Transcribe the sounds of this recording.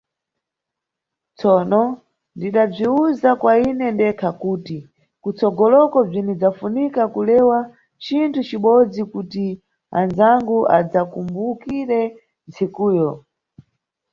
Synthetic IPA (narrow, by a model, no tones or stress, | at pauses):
t͡sɔːnɔ | ndiɗab͡ʐiuzakwainɛndɛkʰakuːti | kut͡sɔɡɔlɔkɔb͡ʐinid͡zafunikakulɛwa | t͡ʃintʰut͡ʃiɓɔd͡zikuti | a̰nzaŋɡuʔa̰d͡zakumbukiɾɛ | nt͡sikuːjɔ